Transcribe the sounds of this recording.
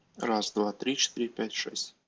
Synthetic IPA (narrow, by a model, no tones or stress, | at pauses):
rɑsd̪vɑt̪ɾʲit͡ʃt̪iɾʲipʲætʲʂɛ̰sʲtʲ